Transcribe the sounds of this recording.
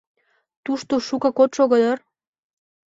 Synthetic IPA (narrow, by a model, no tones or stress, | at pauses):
t̪uʃt̪oʃukɑ̆kot̪ʃoɣɤd̪ɑr